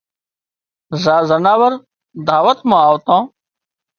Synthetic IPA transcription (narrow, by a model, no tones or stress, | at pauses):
zaːzɐnaːwɐɾ | d̪aːwɐt̪mãaːwt̪ãː